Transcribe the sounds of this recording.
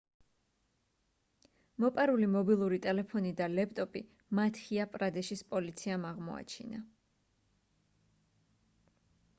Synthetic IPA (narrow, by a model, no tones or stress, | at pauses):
mɔpʼaɾulimɔbilˠuɾit̪ʼɛlɛpʰɔnid̪alɛpʰt̪ʼɔpʼi | mat̪ʰhiapʼɾad̪ɛʃispʼɔlit̪sʰiamaʁmɔa̰t͡ʃʰḭna